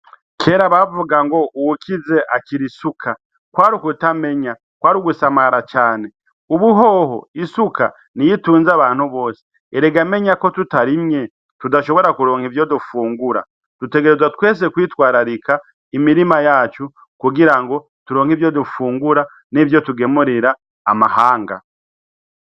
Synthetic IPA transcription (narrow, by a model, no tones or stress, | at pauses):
kʰe̞ːɾaβavuɡaŋɡo̞uwukize̞ʔaciɾisukʰa | kwaːɾukutame̞ɲa | kwaːɾuɡusamaɾat͡ʃaːne̞ | uβuɦo̞ɦo̰isuka̰ | nijituːnzaβaːn̥huβo̞ːse̥ | eɾeɡame̞ɲako̞tutaɾimɲe̞ | tudaʃo̞βo̞ɾakuɾo̞ːŋhivjo̞dufuːŋɡuɾa̰ | d̥ute̞ɡeɾe̞zwatwe̞ːs̬e̞kwiːtwaːɾaɾika | imiɾimajaːt͡ʃu | kuɡiɾaŋɡo̞ | tuɾo̞ːŋhivjo̞dufuːŋɡuɾa | nivjo̞tuɡe̞muɾiɾaː | mahaːŋɡa̰